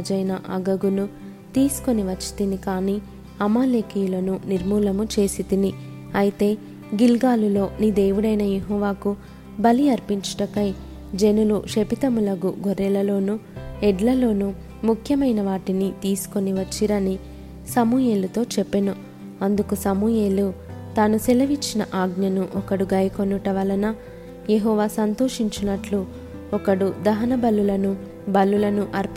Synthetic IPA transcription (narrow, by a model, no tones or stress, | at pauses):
d͡ʒɐjnɐʔɐɡɐɡunu | t̪iːsu̥ko̞niʋɐt͡ʃːi̥t̪inikaːniː | ɐmaːleːkijulɐnuniɾmuːlɐmut͡ʃe̞ːsid̪ini | ɐjit̪e̞ː | ɡilɡaːlulo̞ːniːd̪e̞ːʋuɽɐjnɐjeɦɔːʋaːku | bɐliɐɾpiɲt͡ʃɐʈɐkɐj | d͡ʒe̞nuluʂepit̪ɐmulɐɡṵɡʱoɾɛlɐlo̞ːnuɛɖlɐlo̞ːnu | mukʰjɐmɐjnɐʋaːʈinit̪iːsu̥ko̞niʋɐt͡ʃːiɾɐni | sɐmuːjeːlut̪o̞ːt͡ʃɛpːenu | ɐnd̪ukusɐmujeːlut̪aːnusɛlɐʋit͡ʃːinɐʔaːɡnɐnuʔɔkɐɽuɡɐjɐkonːuʈɐʋɐlɐnɐ | jeɦɔːʋaːsɐnt̪o̞ːʂiɲt͡ʃunɐʈlu | ɔkɐɽud̪ɐɦɐnɐbɐlulɐnu | bɐlːulɐnuʔɐɾp